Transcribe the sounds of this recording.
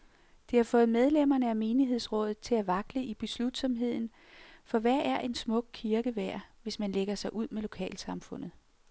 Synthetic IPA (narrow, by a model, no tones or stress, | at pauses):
d̥e̝hɑ̈fɔ̽ːð̩ˠmeð̞ˠlem̰ɐnəæme̝ːniɦe̝ð̞̰ˠsʁɔ̽ːð̰ˠð̩ˠt͡sʰe̝læʋɑ̈ɡ̥ləib̥e̝slud̥sɒ̽mɦe̝ð̰ˠn̩ | fɒ̽ʋæɐʔæɐʔe̝nsmɔ̽ɡ̥̚kʰiɐɡ̥əʋæɐ̰ʋe̝smænleɡ̥ɐsɑ̈ɪʔuð̞̰ˠmelo̝kʰɛ̰ːlsɑ̈mfɔ̽n̰ð̩ˠ